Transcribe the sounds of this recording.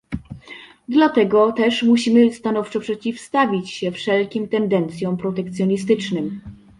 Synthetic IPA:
d̪lat̪ɛɡɔt̪ɛʂmuɕimɘst̪anɔft͡ʂɔpʂɛt͡ɕifst̪avʲit͡ɕɕɛfʂɛlkʲimt̪ɛnd̪ɛnt̪sʲjɔ̃w̃pɾɔt̪ɛk̚t̪sʲjɔɲist̪ɘt͡ʂnɘm

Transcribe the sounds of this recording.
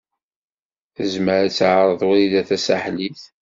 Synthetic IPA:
θəzməɾæt͡sːʕɾˤəðˤwiiðæθæsaħliθ

